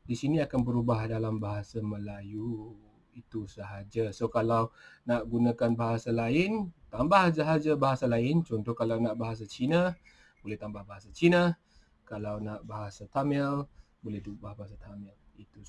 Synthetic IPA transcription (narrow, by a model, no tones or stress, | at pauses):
disinĩakanbəɾubahdalambaɦasamə̃laju | it̪usəɦad͡ʒasokalawnaʔɡunãkanbaɦasalaɪnt̪ambahsaɦad͡ʒabaɦasalaɪnt͡ʃɔnt̪ɔhkalawnaʔbaɦas̬at͡ʃinə | bolɛht̪ambahbaɦasat͡ʃinə | kalawnaʔbaɦasat̪amɛl | bolɛhdbahbaɦasat̪amɛl | it̪u